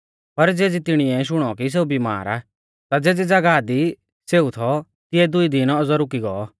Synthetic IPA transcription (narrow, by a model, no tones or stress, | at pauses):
pɐɾd͡zeːd͡zit̪ɪɽ̃iɛʃ̬ʊɽ̃ɔkis̬eːubima̰ːɾa̰ | t̪ad͡zeːd͡zɛd͡zɐɡaːd̪i | seːut̪ʰɔ | t̪ɪɛd̪ʊid̪ɪnɔzɔɾʊk̬iɡɔɔ